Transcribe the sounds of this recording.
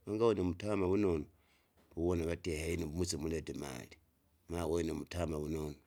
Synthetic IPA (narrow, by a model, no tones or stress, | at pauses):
βaŋɡawonemutamaβunono | uβonaβatehainiβumut͡simuletema̰li | mawonemutamaβunono